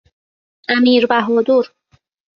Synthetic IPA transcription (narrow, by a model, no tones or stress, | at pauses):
æmiːɾbæɦɔːd̪uɾ